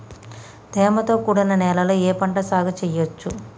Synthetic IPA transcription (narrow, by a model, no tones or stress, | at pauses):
d̪ʱɛːmɐt̪o̞ːkuːɽɐnɐnɛːlɐlɐeːpɐɳʈɐsaːɡʱɐt͡ʃɛjot͡ʃːu